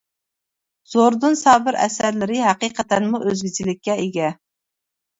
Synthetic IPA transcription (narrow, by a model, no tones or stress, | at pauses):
z̥oɾd̪ɨnsɑːbɪɾɛ̰sæɾlɪɾɪɦæqiqʰət̪ænmuʔøzɡʲit͡ʃʰilɪkʲːɛeɡʲɛ